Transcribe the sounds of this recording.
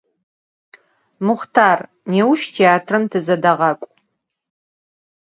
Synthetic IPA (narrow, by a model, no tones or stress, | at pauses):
mʊχtʰaːr | neːwʃtʰeaːtʰrɨmtʰɨzɐdɐʁɑkʷʼ